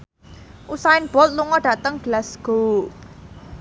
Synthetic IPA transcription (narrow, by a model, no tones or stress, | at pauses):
ʔusaɪnb̥ɔ̤t̪̚luŋɔɖ̥ä̤t̪əŋɡ̥əlasɡ̥o̤